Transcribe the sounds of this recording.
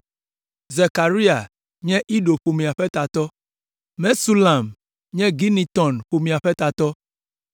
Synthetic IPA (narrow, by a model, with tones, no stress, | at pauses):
ze˨ka˨ɾi˦a˨ | ɲɛ̃˦ʔi˦ɖo˨ɸo˨mĩ˨a˨ɸɛ˦t̪a˨t̪ɔ˦ | mɛ̃˦su˦la˨m | ɲɛ̃˦ɡi˦nĩ˨t̪ɔ̃˨nɸo˨mĩ˨a˨ɸɛ˦t̪a˨t̪ɔ˦